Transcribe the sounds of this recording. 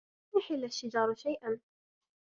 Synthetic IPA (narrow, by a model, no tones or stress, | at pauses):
jɪħɪlːaʃːɪd͡ʒɑːɾˤʃajʔan